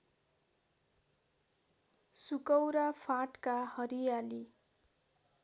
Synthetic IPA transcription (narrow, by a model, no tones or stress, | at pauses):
sukʌwɾapʰaʈkahʌɾijali